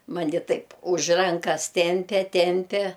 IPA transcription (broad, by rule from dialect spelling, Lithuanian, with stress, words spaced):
ˈmɑːnʲɪ ˈtɐɪp ʊʃ ˈrɐŋkɐs ˈtʲɛmʲpʲɛ ˈtʲɛmʲpʲɛ